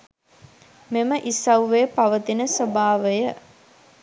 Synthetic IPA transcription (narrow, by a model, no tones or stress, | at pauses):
meməʔisɐwʋepaʋət̪inəsəbaːʋəjə